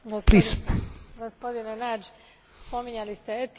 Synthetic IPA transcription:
ɡosplispɡospod̪inenad͡ʒ | spo̞miɲalist̪eet̪

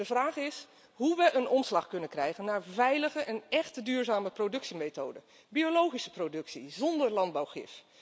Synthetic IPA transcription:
dəvraːχɪs | ɦuʋəənɔmslɑχkɵnənkrɛjχənːaːɹvɛjləχəʔɛnɛχtədyːɹzaːməprodɵksimetowdə | biolowχisə̥prodɵksḭzɔndəɹlɑnd̚bawχɪ̰f

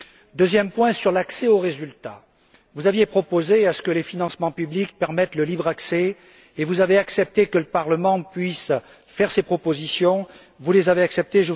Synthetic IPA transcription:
d̪øzjɛmpwɛ̃syʁlaksɛoʁezylt̪a | vuzavjepχɔpozeasə̥kəlefinɑ̃smɑ̃pyblik̚pɛʁmɛt̪ləlibʁaksɛ | evuzaveaksɛp̚t̪ekələpaʁləmɑ̃pɥis | fɛʁsepχɔpozisjɔ̃ | vulezaveaksɛp̚t̪eʒə

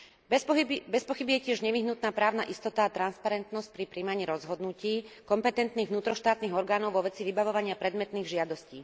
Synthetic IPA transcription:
bɛibɛspɔxibijɛcɪɛʒɲɛʋiɦnut̪naːpɾaːʊnaʔist̪ɔt̪aːt̪ɾanspaɾɛnt̪nɔsc̚pɾipɾiːmaɲiːɾɔzɦɔd̪nuciːkɔmpɛt̪ɛnt̪niːɣʋnuːt̪ɾɔʃt̪aːt̪niːɣɔɾɡaːnɔʊʋɔʋɛt͡siʋibaʋɔʋaɲɪapɾɛd̪mɛt̪niːɣʒɪad̪ɔsciː

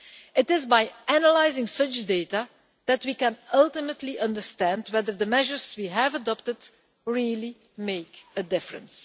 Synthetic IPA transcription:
ɪtɪzbaɪʔænəlaɪzɪ̃ŋsʌt͡ʃdeɪta | dætwikɛ̃nʌlˠtɪmətʰliʔʌ̃ndəɹstæ̃ndwɛðəɹðəmɛʒəɹz̥wiɦævədɑp̚təd | ɹilˠi | meɪkədɪfɹə̰̃ns

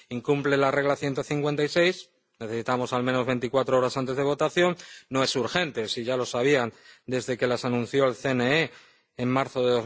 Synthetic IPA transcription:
iŋkumple̞lare̞ɣ̞laθje̞nt̪o̞θiŋkwe̞nt̪ajse̞js | neθe̞sit̪amo̞salmẽ̞no̞zβe̞nt̪ikwat̪ɾoo̞ɾasant̪e̞zð̞e̞β̞o̞t̪aθjo̞nːo̞e̞suɾxe̞nt̪e̞siʝalo̞saβ̞iand̪e̞zðe̞ke̞lasanũn̟θjo̞elθe̞nee | eŋmaɾθoðe̞ðo̞z

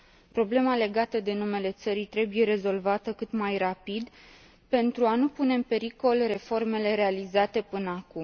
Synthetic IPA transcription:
pɾo̞ble̞male̞ɡat̪əd̪e̞nume̞le̞t̪səɾijt̪ɾe̞buje̞ɾe̞zo̞lvat̪əkɨt̪majrapid̪ | pe̞nt̪ɾuanupune̞ɨnpe̞ɾiko̞lre̞fo̞rme̞le̞ɾe̞alizat̪e̞pɨnəakum

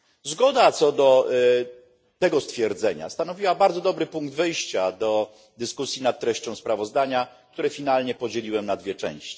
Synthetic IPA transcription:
zɡɔd̪at̪sɔd̪ɔ | t̪ɛɡɔst̪fʲjɛɾd̪zɛɲa̰st̪anɔvʲiwabaɾd̪zɔd̪ɔbɾɘpuŋɡd̪vɘjɕt͡ɕad̪ɔ | d̪ɘskusʲjinat̪̚t̪ːɾɛɕt͡ɕɔ̃w̃spɾavɔzd̪aɲak̚t̪uɾɛfʲinalɲɛpɔd͡ʑelʲiwɛmnad̪vʲjɛt͡ʂɛ̰̃w̃ɕt͡ɕi̥

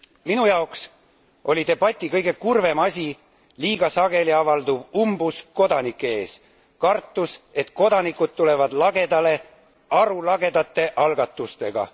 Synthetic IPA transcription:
minujɑoks | ʔo̞lʲid̪e̞b̥ɑt̪ʲːˑikɤjɡ̥e̞kurve̞mɑsʲi | liːɡ̥ɑsɑɡ̥e̞liɑvɑld̪uvumbusko̞d̪ɑnikːˑee̞ːs | kɑrt̪ːˑuse̞t̪ko̞d̪̥ɑnikːˑud̪̥̚t̪ule̞vɑd̪lɑɡ̥e̞d̪ɑle̞ | ɑɾulɑɡe̞d̪̥ɑt̪ːˑe̞ʔɑlɡɑt̪ːˑust̪e̞̰ɡ̥ɑ̰

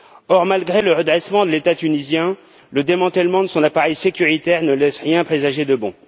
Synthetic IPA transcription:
ɔʁmalɡʁeləʁəd̪ʁɛsmɑ̃d̪əlet̪at̪ynizjɛ̃ | ləd̪emɑ̃t̪ɛlmɑ̃d̪əsɔ̃napaʁɛjsekʲyʁit̪ɛʁnəlɛsʁjɛ̃pχezaʒed̪əbɔ̰̃

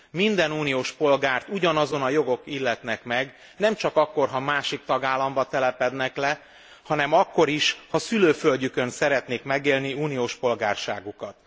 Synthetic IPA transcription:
mind̪ɛnuːnijoːʃpo̞lɡaːrt̪uɟɒnɒzo̞nɒjo̞ɡo̞kilːɛt̪nɛkmɛɡ | nɛmt͡ʃɒkɒkːo̞rɦɒmaːʃik̚t̪ɒɡaːlːɒmbɒt̪ɛlɛpɛd̪nɛklɛ | hɒnɛmɒkːo̞ɾiʃhɒsyløːfølɟykø̞nsɛɾɛt̪neːkmɛɡeːlniuːnijoːʃpo̞lɡaːrʃa̰ːɡukɒt̪̚

